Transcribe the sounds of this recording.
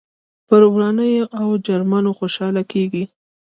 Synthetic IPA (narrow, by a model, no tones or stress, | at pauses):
pəɾwɾɑnəjoʔawd͡ʒaɾmɑnoxoʃɑlakeɡi